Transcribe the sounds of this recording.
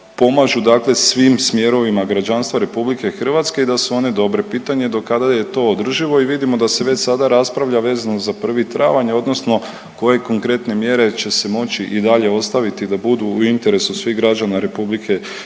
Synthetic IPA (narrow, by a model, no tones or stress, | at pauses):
po̞maʒud̪akle̞sʋimsmje̞ɾo̞ʋimaɡɾad͡ʑanst̪ʋaɾe̞publikexr̩ʋat̪ske̞id̪asuo̞ne̞d̪o̞bɾe̞piːt̪aɲe̞d̪o̞kad̪aje̞t̪o̞od̪r̩ʒiʋo̞iʋid̪imo̞d̪aseʋe̞t͡ʃsad̪aɾaspɾaʋʎaʋe̞ːzanozapr̩ʋit̪ɾa̰ʋaɲeo̞d̪no̞sno̞ | ko̞je̞ko̞ŋkɾe̞t̪ne̞mje̞ɾe̞t͡ʃe̞se̞mo̞t͡ɕt͡ʃiʔid̪aʎe̞o̞st̪aʋit̪id̪abud̪uːint̪e̞ɾe̞susʋiɣɡɾad͡ʑanaɾe̞publikʰe̞